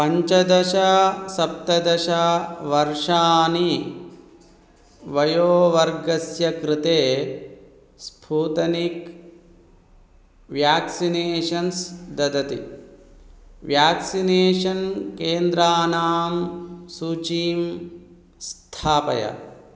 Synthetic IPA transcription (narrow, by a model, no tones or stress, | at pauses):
pɐɲt͡ʃɐd̪ɐʃɐsɐp̚t̪ɐd̪ɐʃaʋɐɾʂaːni | ʋɐjoːʋɐɾɡɐsjɐkɾɪt̪eː | spʰuːt̪ɐnik | ʋjaːksineːʂɐnsd̪ɐd̪ɐt̪ḭ | ʋjaːksineːʃɐnkeːnd̪ɾaːnaːmsuːt͡ʃiːm | st̪ʰaːpɐ̰jɐ̰